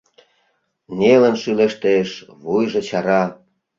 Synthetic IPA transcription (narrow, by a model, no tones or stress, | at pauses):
nʲelə̆nʃyleʃt̪eʃβujʒĕt͡ɕɑɾɑ